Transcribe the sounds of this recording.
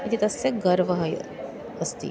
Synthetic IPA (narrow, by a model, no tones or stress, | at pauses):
it̪ʰit̪ɐsːeɡəɾʋəɦɐj | əst̪ḭː